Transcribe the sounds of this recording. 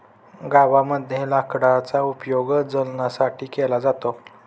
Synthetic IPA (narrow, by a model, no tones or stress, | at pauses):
ɡaʋaməd̪ʱjelakɽat͡saupjoɡd͡zəlnasaʈʰiːkelad͡zat̪o